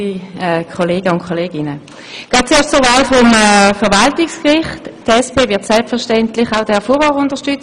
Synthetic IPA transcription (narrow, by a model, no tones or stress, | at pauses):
iɛkʰɔleːɡəʊnkʰɔleːɡɪnə | ɡ̥ɑːt̚t͡seːɐʃtt͡sʊɐvaːlfɔmɛfɛʁvaltɪkskʁɪχtdɛspʰeːvɪɐtsɛlpfɛɐʃtɛntlɪχaʊdɛɛɐfuːɐvɔːʁʊntəʃtʏt͡s